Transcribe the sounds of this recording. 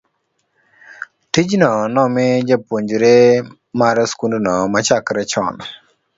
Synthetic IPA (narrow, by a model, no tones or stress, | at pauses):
ʈid͡ʒnɔnɔmed͡ʒapoɲd͡ʒuɾe | maɾaskundunɔmat͡ʃakɾɛt͡ʃʰɔ̰n